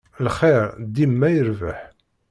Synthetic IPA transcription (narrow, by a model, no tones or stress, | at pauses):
lχɛɾd̪imːæjəɾvə̰ħ